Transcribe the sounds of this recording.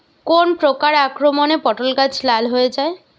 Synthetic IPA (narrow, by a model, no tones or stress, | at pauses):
konpɾokaɾakɾomɔnepɔʈolɡat͡ʃʰlalɦoed͡ʒae